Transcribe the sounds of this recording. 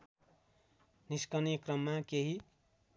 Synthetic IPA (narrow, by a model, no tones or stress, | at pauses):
niskʌnikrʌmːakeɦi